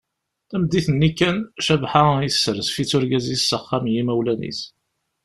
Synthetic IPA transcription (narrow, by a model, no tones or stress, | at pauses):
θæmd̪ːiθənːikːænʃævħajəsːəɾəsfit͡sːʊɾɡæzjsːəχːamjimæwlænḭθ